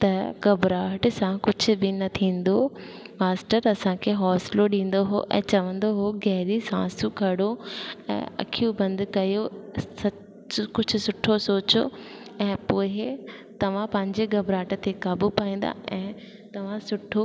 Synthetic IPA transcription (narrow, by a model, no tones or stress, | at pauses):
t̪ɐɡɐbɾaːʈsãkʊd͡ʑʱʊ̆bɪnɐt̪ʰĩːn̆d̪o | maːsʈəɾɐsãkʰeɦɔːsloɗĩːn̆d̪oɦo̰ʔɛ̰̃ːt͡ɕɐʋə̃nd̪oɦoɡɛɦɾisã̰ːsuɡʱɐɽoɛ̰̃ːɐ̰kʰijũbɐ̃nd̪ʱkɐjosɐ | kʊd͡ʑʱʊ̆sʊʈʰosoːt͡ɕo | ɛ̃ːpoːɦɪt̪ɐʋ̤ãpɐ̃ɦɪ̃ɲd͡ʑeɡɐbɾaːʈt̪ʰekaːbupaːĩːn̆d̪a̰ʔɛ̃ː | t̪ɐʋ̤ãsʊʈʰo